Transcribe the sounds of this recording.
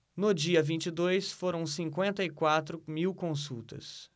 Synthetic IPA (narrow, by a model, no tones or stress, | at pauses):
nʊd͡ʒiɐvĩnt͡ʃɪd̪ojsfoɾɐ̃w̃sĩŋkwẽnt̪ɐikwat̪ɾʊmiwkõsuwt̪ɐ̰s